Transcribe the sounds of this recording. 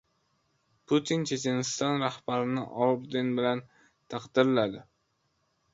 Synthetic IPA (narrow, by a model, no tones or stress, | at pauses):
pʰʊt̪ʰint͡ʃʰe̞t͡ʃʰe̞nɪst̪ɒnɾahbaɾɪnɪ̰ʔɒlbd̪enbɪlan | t̪ʰaqd̪ɪɾlad̪ɪ